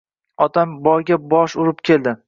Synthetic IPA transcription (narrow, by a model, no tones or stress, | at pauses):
ɒt̪ʰambɒjɡʲabɒʃʊɾɪp̚kʲʰe̞ld̪ɪ